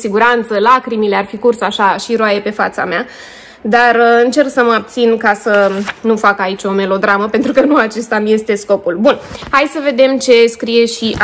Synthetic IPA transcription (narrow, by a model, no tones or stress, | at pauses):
siɡuɾant̪səlakɾimile̞arfikursaʃaʃiɾoaje̞pe̞fat̪sa̰mea | d̪arɨnt͡ʃe̞rksəməab̚t̪sinkasənufakait͡ʃʲo̞me̞lo̞d̪ɾaməpe̞nt̪ɾukənuat͡ʃe̞st̪amije̞st̪e̞sko̞pulbunhajsəve̞d̪e̞mt͡ʃe̞skɾije̞ʃiʔa